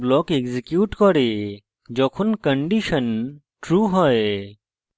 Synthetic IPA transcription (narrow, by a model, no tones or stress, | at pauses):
blɔːkeɡzikjuːʈkɔɾe | d͡ʒɔkʰunkəɳɖiʃən | ʈɾuːɦɔe